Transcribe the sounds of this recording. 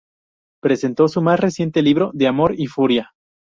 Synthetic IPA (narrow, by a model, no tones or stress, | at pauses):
pɾe̞se̞nt̪o̞sumasre̞sje̞nt̪e̞liβ̞ɾo̞ðe̞amo̞ɾifuɾja